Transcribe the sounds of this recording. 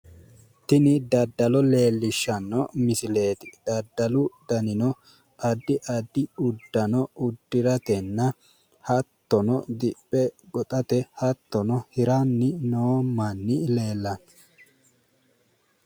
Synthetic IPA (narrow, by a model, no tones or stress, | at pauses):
t̪ɪnɪd̪ɐd̪ːɐlɔle̞ːlːɪʃːɐnːɔmɪsɪle̞ːt̪ɪ̥d̪̥ɐd̪ːɐlʊd̪̥ɐnɪnɔ | ʔɐd̪ːɪʔɐd̪ːɪʊd̪ːɐnɔʊd̪ːɪɾɐt̪ɛnːɐ | hɐt̪ːɔnɔd̪ɪpʼːɛɡɔt̪ʼɐt̪ɛhɐt̪ːɔnɔhɪɾɐnːɪnoːmːɐnːɪle̞ːlːɐn